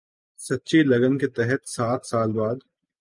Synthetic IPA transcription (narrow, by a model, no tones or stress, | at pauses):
sɐtːʃilɐɡənket̪ɛɦɛt̪saːt̪saːlbaːd̪